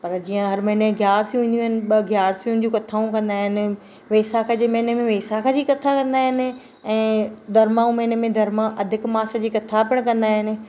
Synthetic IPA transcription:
pɐɾd͡ʑiːə̃ɦɐɾmɐɦɪneɡjaːɾsijũʋĩːnd̪jũːɦɪnɪ̆ɓɐɡjaːɾsiũ̆d͡ʑũːkɐt̪ʰaːũkɐ̃nd̪aːɦɪnɪ̆ | ʋeːsakʰəd͡ʑeːmɐɦɪnəmẽʋeːsakʰə̃d͡ʑiːkɐt̪ʰakɐ̃nd̪aːɦɪnɪ̆ | ɛ̃ːd̪ʱɐɾmaːũmɐɦɪnəmẽd̪ʱɐɾmaʔɐd̪ʱɪkmaːsə̆d͡ʑiːkɐt̪ʰapɪɽ̃kɐ̃nd̪aːɦɪnɪ̆

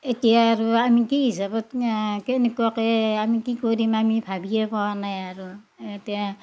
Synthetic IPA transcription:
etiaːɾuamikiɦisabɔtkenikɔkeamikikoɾimamibʱabiepɔwanajaɾu | etija

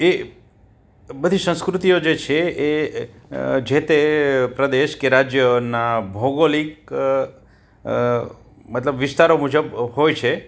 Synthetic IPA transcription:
e | bəd̪ʱisə̃skɾut̪ijod͡ʒet͡ʃʰee | d͡ʒet̪epɾəd̪eʃkeɾad͡ʒjənabʱoɡolik | mət̪ləbʋɪst̪aɾomud͡ʒəbɦojt͡ʃʰe

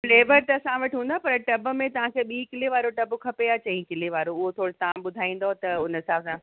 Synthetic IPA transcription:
leːbəɾt̪ɐɐsãʋɐʈɪɦũːnd̪apɐɾʈɐbmẽt̪ɐʋ̤ãkʰeːɓiːkɪleʋaːɾoʈɐbʊkʰɐpeaːt͡ɕɐĩkɪleʋaːɾoʊɦot̪ʰoːɽet̪ɐãɓʊd̪ʱaːĩːn̆d̪ot̪ɐʊnəsaːbsãː

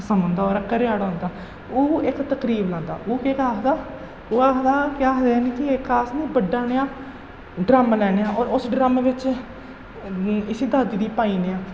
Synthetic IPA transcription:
səmə̃ːnd̪aːoːɾəkːəɾeaːɽaʊːnd̪aː | oːɪkt̪əkɾiːblãːnd̪a̰ːʔoːkeːkaːɦd̪aː | oaːɦd̪aːkjaːɦd̪eːaːniːkiekaːsnĩːbəɖːaːneːaː | ɖɾaːmalɛːneːãːoːɾʊsɖɾaːmaːʋɪt͡ʃ | ɪsiːd̪aːd̪iːd̪iːpaːiːneːaː

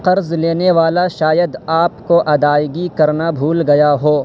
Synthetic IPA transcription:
qɐɾzleːneʋaːlaʃaːjəd̪aːpkoʔɐd̪aːjɡikɐɾnabʱuːlɡɐjaɦoː

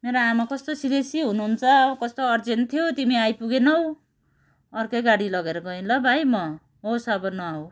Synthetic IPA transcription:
meɾoamakʌst̪osid̪esiɦunuɦunt͡sʰʌkʌst̪oʌrd͡zent̪ʰijot̪imiajpuɡenʌw | ʌrkʌjɡaɽilʌɡeɾʌɡʌinlʌbʱajmʌ | ɦosʌbʌnʌaw

